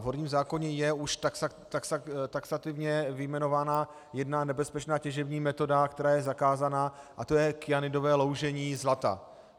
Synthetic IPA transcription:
vɦo̞ɾɲiːmzaːko̞ɲɛjɛuʃt | t̪akst̪aksat̪ɪvɲɛvɪjmɛno̞vaːna | jɛdnanɛbɛspɛt͡ʃnaːcɛʒɛbɲiːmɛt̪o̞dakt̪ɛɾaːjɛzakaːzanaːʔat̪o̞jɛkɪjanɪdo̞vɛːlo̞wʒɛɲiːzlat̪a̰

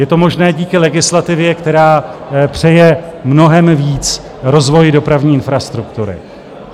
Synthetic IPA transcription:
jɛt̪o̞mo̞ʒnɛːɟiːkɪlɛɡɪslat̪ɪvjɛkt̪ɛɾaːpr̝̥ɛjɛmno̞ɦɛmviːt͡s | ɾo̞zvo̞jdo̞pɾavɲiːɪnfɾast̪ɾukt̪uɾɪ̰

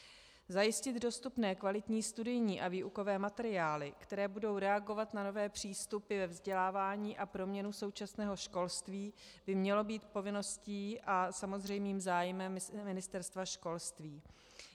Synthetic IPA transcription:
zajɪscɪd̪do̞st̪upnɛːkvalɪt̪ɲiːst̪udɪjɲiːʔaviːʔuko̞vɛːmat̪ɛɾɪaːlɪkt̪ɛɾɛːbudo̞wɾɛaɡo̞vat̪nano̞vɛːpr̝̥iːst̪upɪvɛvzɟɛlaːvaːɲiːʔapɾo̞mɲɛnuso̞wt͡ʃasnɛːɦo̞ʃko̞lst̪viːb̥ɪmɲɛlo̞biːt̪po̞vɪno̞sciːʔasamo̞zr̝ɛjmiːmzaːjmɛmːɪnɪst̪ɛɾst̪vaʃko̞lst̪viː

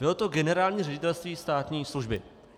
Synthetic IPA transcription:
bɪlo̞t̪o̞ɡɛnɛɾaːlɲiːrɛɟɪt̪ɛlst̪viːst̪aːt̪ɲiːsluʒbɪ

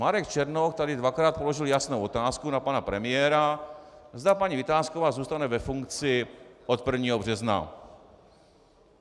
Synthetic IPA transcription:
maɾɛkt͡ʃɛɾnokt̪adɪdvakɾaːt̪̚po̞loʒɪljasnowo̞t̪aːskunapanapɾɛmɪjɛɾa | zd̪apaɲivɪt̪aːskovaːzuːst̪anɛvɛfuŋkt͡sɪʔot̪̚pr̩vɲiːɦobr̝ɛzna̰

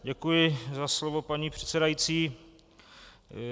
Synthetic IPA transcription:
ɟɛkujɪzaslo̞vo̞paɲiːpr̝̥ɛ̥t̪sɛdajiːt͡siː

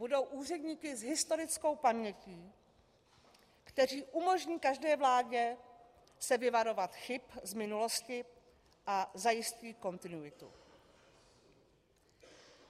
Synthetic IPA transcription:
budo̞wʔuːr̝ɛdɲiːkɪzɦɪst̪o̞ɾɪt͡sko̞wpamɲɛciː | kt̪ɛɾ̝iːʔumo̞ʒɲiːkaʒdɛːvlaːɟɛ | sɛvɪvaɾo̞vat̪xɪpzmɪnulo̞scɪ | ʔazajɪsciːko̞nt̪ɪnuɪt̪ṵ

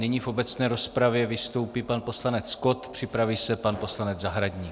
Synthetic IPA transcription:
nɪɲifʔo̞bɛt͡snɛːɾo̞spɾavjɛvɪst̪o̞wpiːpanpo̞slanɛt͡sko̞t̪pr̥ɪpɾaviːsɛpanpo̞slanɛd͡zzaɦɾaɟɲi

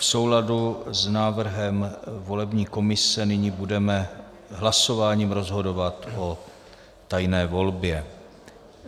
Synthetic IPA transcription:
fso̞wladuznaːvr̩ɦɛmvo̞lɛbɲiːko̞mɪsɛnɪɲibudɛmɛ | ɦlaso̞vaːɲiːmɾo̞zɦo̞do̞vat̪ʔo̞ | t̪ajnɛːvo̞lbjɛ

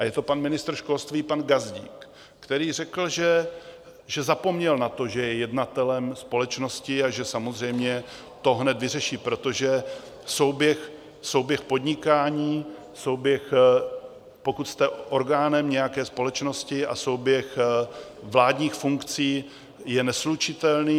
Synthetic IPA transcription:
ʔajɛt̪o̞panmɪnɪst̪ɾ̩ʃko̞lst̪viːpanɡazɟḭːkː | t̪ɛɾiːr̝ɛkl̩ʒɛ | ʒɛzapo̞mɲɛlnat̪o̞ʒɛjɛjɛdnat̪ɛlɛmspo̞lɛt͡ʃno̞scɪaʒɛsamozr̝ɛjmɲɛ | t̪o̞ɦnɛt̪vɪrɛʃiːpɾot̪o̞ʒɛ | so̞wbjɛx | sowbjɛxpo̞d̪ɲɪkaːɲiː | so̞wbjɛx | po̞kut̪st̪ɛʔo̞ɾɡaːnɛmɲɛjakɛːspo̞lɛt͡ʃno̞scɪa̰so̞wbjɛx | vlaːdɲiːxfuŋkt͡siː | jɛnɛslut͡ʃɪt̪ɛlniː

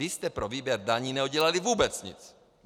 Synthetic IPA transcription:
ɪst̪ɛpɾoviːbjɛɾdaɲiːnɛuɟɛlalivuːbɛt͡sɲɪ̰t͡s

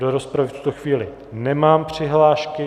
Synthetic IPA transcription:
doɾospɾavɪft̪u̥t̪oxviːlɪ | nɛmaːmpr̝̥ɪɦlaːʃkɪ

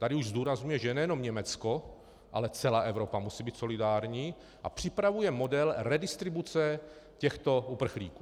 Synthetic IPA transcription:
t̪adɪuʒzd̪uːɾazɲujɛʒɛnɛjɛno̞mɲɛmɛt͡sko̞ | ʔa̰lɛt͡sɛlaːʔɛvɾo̞pamusiːbiːt̪so̞lɪdaːɾɲiː | ʔapr̥ɪpɾavujɛmo̞dɛlɾɛdɪst̪ɾɪbut͡sɛ | cɛxt̪o̞upr̩xlḭːku̥ː

